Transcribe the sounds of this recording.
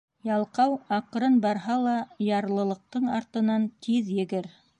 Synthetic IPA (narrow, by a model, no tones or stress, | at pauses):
jɑlˠqɑwɑqɾɤnbɑɾɦɑlˠɑjɑɾlˠɤ̆lˠɤ̆q̚t̪ɤɴɑɾt̪ɤ̆nɑnt̪ʰiðjɘ̆ɡɘɾ